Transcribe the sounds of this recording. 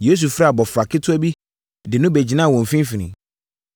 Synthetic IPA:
je˦s̬u˨fɾa˦˨bɔ˨fɾa˨kʰɪ˦tʰʊ˦æ˦bi˦ | dɪ˨nʊ̃˦be˨d͡ʑi˨nã˦˨wɔ̃˨m˨fĩ˦fĩ˨nɪ̃˨

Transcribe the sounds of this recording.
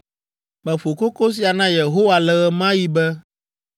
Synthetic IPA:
mɛ̃˨fo˨ko˦ko˦s̬i˨a˨nã˦je˨ɦo˦wa˨lɛ˨ɣɛ˦mã˦ji˦bɛ˦

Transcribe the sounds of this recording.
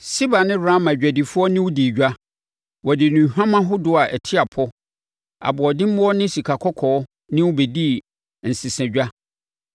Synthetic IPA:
si˦ba˨nɪ̃˦ɾã˦mã˨d͡ʑᶣæ˨di˨fʊ˦ɔ˦nɪ̃˦wʊ˦di˨ɟᶣa˦ | wɔ˨dɪ˨nũ˨hᶣã˦mã˦ɦʊ˦dʊ˦a˨ʔɛ˨tʰɪ˦a˨pʰɔ˦ | a̰˨bɔ˨dɪ̃˦m˦ɔ˦nɪ̃˦si˨kʰa˨kʰɔ˦kʰɔː˨˦ | nɪ̃˦wʊ˦be˨di˦ | n̩˨sɪ˨sɛ̃˨ɟᶣa˦

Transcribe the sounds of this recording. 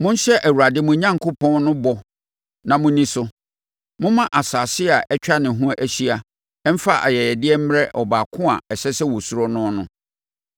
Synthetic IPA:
mʊ̃˦n̩˦ɕɛ˦ʔæ˨wu˨ɾa˨dɪ˦mʊ̃˨ɲã˦ŋkʰo˦pʰɔ̃˦nnʊ̃˦bɔ˨ | nã˨mʊ̃˦nĩ˦sʊ˨ | mʊ̃˦mã˦ʔa˨saː˨sɪ˦a˨ʔɛ˦t͡ɕᶣa˦nɪ̃˨ɦũ˦a˦ʔæ˨ɕi˦a˨ | ɛ˦m̩˦fa˦ʔa̰˨jɛ˨jɛ˨dɪ˦ɛ˦m̩˦ɾɛ˦ʔɔ˨baː˨kʰʊ̃˦a˨ɛ˨ɕɛ˦sɛ˦wɔ˨su˦ɾɔ˦nʊ̃˦nʊ̃˦

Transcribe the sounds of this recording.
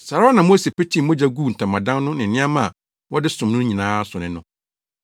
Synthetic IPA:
sa˨ɾa˦nã˨mo˦se˨pe˦t͡ɕʰĩ˦mʊ̃˦d͡ʑa˦ɡuː˦˨n̩˨tʰã˨mã˨dã˦nnʊ̃˦nɪ̃˨nɪ̃˦a˦mã˦˨ | wɔ˦dɪ˦sʊ̃˨mnʊ̃˦ɲĩ˨nãː˦sʊ˨nɪ̃˨nʊ̃˦

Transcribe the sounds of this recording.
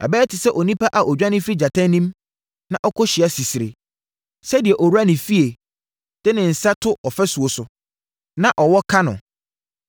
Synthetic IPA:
a̰˨bɛː˦tʰɪ˨sɛ˦ʔɔ˨nĩ˦pʰa˦ʔa˨ʔɔ˨d͡ʑᶣã˦nɪ̃˦fɾi˦d͡ʑa˨tʰã˦nĩ˦m | nã˨ʔɔ˦kʰɔ˦ɕɪ˨a˨˦si˨si˨ɾḛ˨ | sɛ˦di˨ɛ˨ʔɔ˨wu˦ɾa˦nɪ̃˨fi˦e˨ | d̥ɪ˦nɪ̃˨n̩˨sa˦tʰʊ˦ʔɔ˨fɛ˦su˨o˨sʊ˨ | nã˦ʔɔ˨wɔ˦kʰã˦nʊ̰̃˨

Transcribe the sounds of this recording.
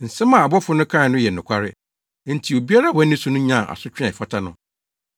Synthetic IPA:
n̩˨sɛ̃˦mã˨a˨bɔ˦fʊ˦nʊ̃˦kʰã˦˨nʊ̃˦jɛ˨n˨ʊ̃˨kʷʰa˦ɾɪ̰˦ | n̩˨tʰi˨o˨bi˦a˦ɾa˦˨wɔ̃˦ɪ̃˦su˦nʊ̃˦ɲã˦˨ʔa̰˨sʊ˦t͡ɕᶣã˨fa˦tʰa˦nʊ̰̃˦

